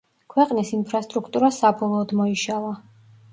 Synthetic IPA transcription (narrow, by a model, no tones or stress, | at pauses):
kʰwɛqʼnisinpʰɾast̪ʼɾukʰt̪ʼuɾasabɔlˠɔːd̪mɔiʃalˠa